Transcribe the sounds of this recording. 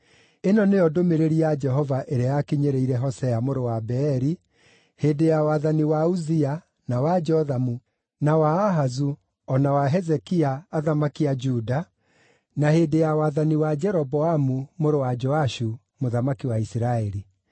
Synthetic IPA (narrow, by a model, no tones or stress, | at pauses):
enɔnejɔdomeɾeɾiad͡ʒɛɦɔvaʔeɾeajakiɲeɾeiɾɛɦɔsɛamoɾowabɛːɾi | heːdejawaðaniwauzia | nawad͡ʒɔðamu | nawaːɦazu | ɔnawaɦɛzɛkiaːðamakiad͡ʒuda | nahedejawaðaniwad͡ʒɛɾɔbɔamumoɾowad͡ʒɔaʃu | moðamakiwaisiɾaɛɾi